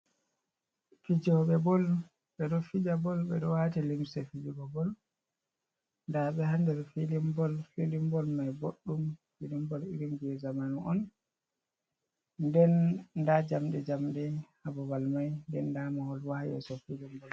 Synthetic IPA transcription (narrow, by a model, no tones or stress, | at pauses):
fid͡ʒɔɓɛbɔl | ɓɛɗɔfid͡ʒabɔlɓɛ̰ɗɔwatilimsɛfid͡ʒiɡɔbɔl | ndaɓɛhandɛɾfilimbɔlfilimbɔlmajboɗːumfilimbɔliɾimɡɛzamanuɔn | dɛndad͡ʒamɗɛd͡ʒamɗɛhabɔbalmajndɛndamahɔlwahajɛ̰sɔfilimbɔl